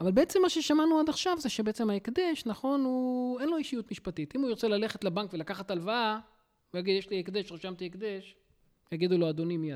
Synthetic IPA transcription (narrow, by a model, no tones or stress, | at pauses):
avalbeet͡se̞mːaʃe̞ʃamanuad̪aχʃavzeʃebeet͡se̞maekd̪eʃnaχo̞nhue̞nlo̞iʃijut̪miʃpat̪it̪imujiʁt͡selale̞χe̞t̪labaŋkvelakaχat̪alvaa | ujaɡid̪jeʃliekd̪eʃʁiʃamt̪iekd̪eʃ | jaɡid̪uload̪o̞nimijad